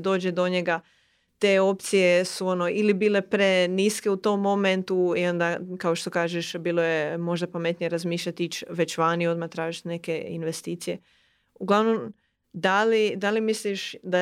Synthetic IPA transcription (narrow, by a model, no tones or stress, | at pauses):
d̪o̞ːd͡ʒed̪o̞ɲeɡa | t̪e̞ːo̞p̚t̪sijesuono̞ʔilibiːle̞pɾeniske̞ut̪o̞mːo̞ment̪uio̞nd̪akaoʃt̪o̞kaːʒeʃbiːlˠojemo̞ʒd̪apame̞t̪nijeɾazmiːʃʎat̪it͡ɕʋe̞t͡ɕʋanio̞d̪mat̪ɾaːʒit̪ne̞ke̞ḭnʋe̞st̪iːt̪sije̞ | uɡlˠaʋnom | d̪alid̪alimisliʃd̪a